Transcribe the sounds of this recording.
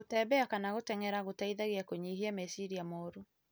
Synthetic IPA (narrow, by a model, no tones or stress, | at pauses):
otɛːbɛakanaɣotɛŋɛɾaɣotaiðaɣeakoɲiɦiamɛsiɾiamɔːɾo